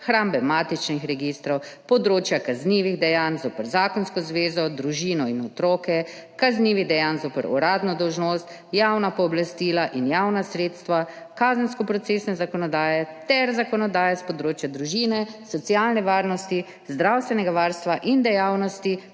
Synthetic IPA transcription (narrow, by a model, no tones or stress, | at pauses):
xɾambɛmaːt̪it͡ʃnixɾɛɡist̪ɾɔwpɔd̪ɾoːt͡ʃjakazniːʋiɣd̪ɛjaːnzoːpəɾzaːkɔnskɔzʋeːzɔd̪ɾuʒiːnɔinɔt̪ɾoːkɛkazniʋiɣd̪ɛjaːnzoːpəɾṵɾaːd̪nɔd̪ɔwʒnoːst̪ | jawnapɔːblast̪iːlaʔinjawnasɾeːt̪st̪ʋa | kaːzənskɔpɾɔt̪seːsnɛzakɔnɔd̪aːjɛt̪ɛɾzakɔnɔd̪aːjɛspɔd̪ɾoːt͡ʃjad̪ɾuʒiːnɛsɔt̪sijalnɛʋaːɾnɔst̪i | zd̪ɾawst̪ʋɛnɛɡaʋaɾst̪ʋaʔind̪ɛjawnɔst̪i